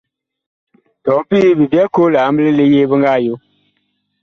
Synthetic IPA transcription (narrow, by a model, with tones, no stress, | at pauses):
tɔ˨˦pi˦bi˨bjɛ˦ko˦la˨˦m˦bɨ˦lɨ˦le˦jeː˦bɨ˦ŋɡa˦˨jo˦